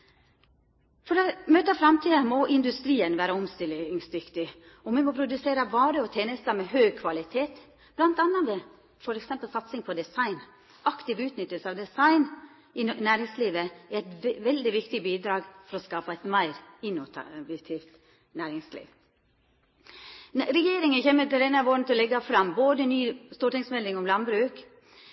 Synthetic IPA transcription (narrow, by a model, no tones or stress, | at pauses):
fɔɾɑmøːt̪əɑfɾɑmt̪ʰiːd̪əmɔʔɪnd̪ʉst̪ɾiːənʋæːɾəɔmst̪ɪlɪŋst̪ʋɪkt̪ɪ | ɔmɛmɔpʰɾʊd̪ʉseːɾəʋɑːɾəɔt̪ʰeːnəst̪ɑmɛhœʏkʰʋɑlɪt̪ʰeːt̪ | b̥lɑnt̪ɑnːɑd̪ɛ | fɔɾɛksɛmpəlsɑt̪sɪŋpʰɔd̪ɛsɑɪn | ɑkt̪ɪʋʉːt̪nʏt̪ːəlsəɑʋd̪ɛsɑɪn | ɪnæːɾɪŋsliːʋəɛæɪt̪ʋɛld̪ɪʋɪkt̪ɪbiːd̪ɾɑːɡfɔɾɔskɑːpɑɛɪt̪mæɪɾɪnːʊt̪ʰɑ̰bət̪ʰɪft̪ | næːɾɪŋslḭːʋ | ɾɛjeːɾɪŋənçeːmət̪ɪd̪ɛnɑʋoːɾnət̪ʰɛɔlɛɡːɑfɾɑmboːd̪ənyːst̪uːɾʈɪŋsmɛld̪ɪŋɔmlɑnbɾʉːk